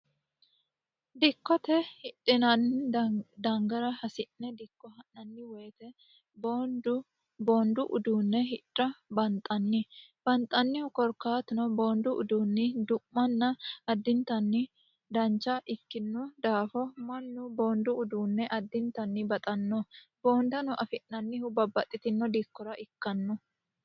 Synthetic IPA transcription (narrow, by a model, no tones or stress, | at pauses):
d̪ɪkːɔt̪ɛhɪᶑɪnɐn | d̪ɐŋɡɐɾɐhɐsɪnːɛd̪ɪkːɔhɐnːɐnːɪweːt̪ɛ | b | boːnd̪ʊʔʊd̪uːnːɛɦɪᶑɐbɐnt̪ʼɐnːɪb̥ɐnt̪ʼɐnːɪkɔɾkːaːt̪ɪnɔboːnd̪ʊʔʊ̰d̪uːnːɪd̪ʊʔːɐnːɐɐd̪ːɪnt̪ɐnːɪ | d̪ɐnt͡ʃːɐʔɪkːɪnːʊd̪aːfɔmɐnːʊbo̞ːnd̪ʊʊd̪uːnːɛʔɐd̪ːɪnt̪ɐnːɪbɐt̪ʼɐnːɔbo̞ːnd̪ɐnʊʔɐfɪʔːɐnːɪhʊbɐbːɐt̪ʼːɪt̪ɪnːɔd̪ɪkːɔɾɐʔɪkːɐnːɔ